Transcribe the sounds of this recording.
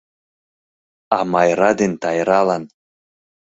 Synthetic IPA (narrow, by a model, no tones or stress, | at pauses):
ɑmɑjɾɑd̪ent̪ɑjɾɑlˠɑn